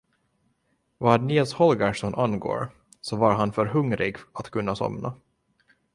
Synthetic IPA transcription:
vaːɖnɪːlshɔlɡɑʂɔnʔanɡo̰ːɾ | sɔvaɾɦanfœɾɦɵŋɾɪɡat̪kʰɵnːasɔ̰mna

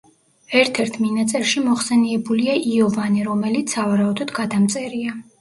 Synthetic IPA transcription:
ɛɾt̪ʰɛɾt̪ʰminat̪sʼɛɾʃimɔχsɛniɛbuliaʔiɔvaniɾɔmɛlit̪sʰavaɾaud̪ɔd̪ɡad̪amt̪sʼɛɾia

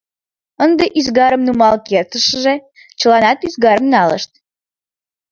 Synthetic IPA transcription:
ənd̪eʔyzɣɑɾəmnumɑlkert̪əʃəʒe | t͡ɕə̆lɑnɑt̪yzɡɑɾəmnɑlə̰ʃt̪̚

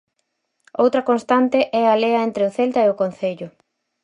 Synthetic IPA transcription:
owt̪ɾɐkonst̪ant̪ɪʔɛaleɐent̪ɾeʊθelt̪ɐeʊkon̟θeʎʊ

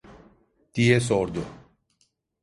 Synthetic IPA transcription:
t̪ies̬ɔɾd̪o

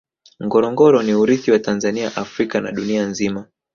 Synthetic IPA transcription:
ŋɡɔɾɔŋɡɔɾɔniuɾiθiwatanzaniaʔafɾikana̰ɗunianzima

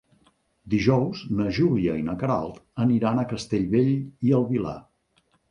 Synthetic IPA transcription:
d̪iʒɔwznəʒuliəinəkəɾa̰lˠt̪əniɾanəkəst̪eʎβeʎiəlˠβila̰

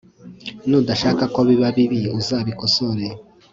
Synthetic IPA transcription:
nudaʃaːkakoβiβaβiβijuzaːβikosoɾe

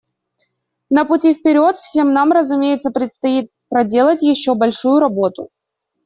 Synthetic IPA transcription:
nəpʊtʲifpʲɪɾʲo̞t̪fsʲe̞mnamrəzʊmʲejɪt̪səpɾʲɪt̪st̪ɐit̪̚pɾɐdʲe̞lˠətʲjɪɕːo̞bɐlʲʂujʊɾɐbo̞t̪ʊ̰

